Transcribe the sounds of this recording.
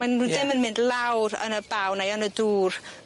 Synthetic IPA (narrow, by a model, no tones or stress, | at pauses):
anudɪmənmɪndlˠawɾə̰nəbawnajɔnəduːr